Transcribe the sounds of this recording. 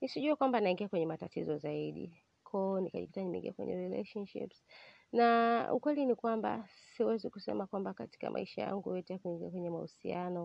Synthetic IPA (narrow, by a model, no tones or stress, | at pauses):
nisiʄuakwambanaiŋɡiakwɛɲɛmatatizɔzaiɗḭ | kʰɔnikaʄipitanimḭŋɡia̰kwɛ̰ɲɛ̰ɾilɛ̰ʃɔnʃḭps | naṵkwɛlinikwamba̰ | siwɛziku̥sɛ̰makwambakati̥ka̰mʔa̰iʃaja̰ŋɡujɔtɛjakuiŋɡiakwɛɲɛmausḭanɔ